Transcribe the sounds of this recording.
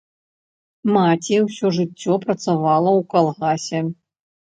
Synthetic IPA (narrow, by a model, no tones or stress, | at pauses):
mat͡sʲiwsʲɔʐɨt͡sʲːɔpɾɐt̪savalˠɐwkalˠɣasʲɛ